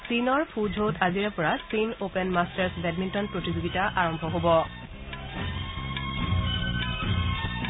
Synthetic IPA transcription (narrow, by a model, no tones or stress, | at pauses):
sinɔɹpʰud͡ʒʱotʰaziɹɛpɔɹasinopɛnmastɛɹsbɛdmintɔnpɹotizoɡitaʔaɹɔmbʱɔɦobɔ